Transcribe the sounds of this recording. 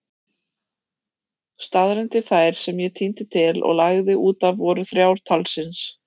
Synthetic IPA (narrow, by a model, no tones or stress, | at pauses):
st̪aðɾɛnt̪ɪθaːjɾ̥sɛmjɛt̪ʰiːnt̪ɪt̪ʰɪlɔ̰ɣlaɣðɪʔuːt̪avːɔɾʏθɾjaːwɾ̥t̪ʰalsɪns